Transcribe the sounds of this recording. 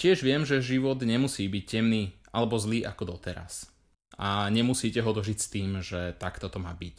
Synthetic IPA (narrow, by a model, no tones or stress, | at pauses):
cɪɛʒʋɪɛmʒɛʒiʋɔd̪ɲɛmusiːbic̚cɛmniːʔalɛbɔzliːʔakɔd̪ɔt̪ɛɾa̰s | aɲɛmusiːcɛɦɔd̪ɔʒicst̪iːmʒɛt̪akt̪ɔt̪ɔmaːbic